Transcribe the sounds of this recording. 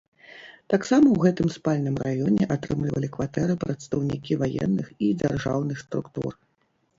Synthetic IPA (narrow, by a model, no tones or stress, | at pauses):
t̪aksamɐwɣɛt̪ɨmspalʲnɨmrajɔnʲɛʔat̪ɾɨmlʲivɐ̰lʲikvat̪ɛɾɨpɾɐt̪st̪ɐwnʲikʲivajɛ̰nːɨxid͡zʲarʐa̰wnɨxst̪ɾukt̪ṵr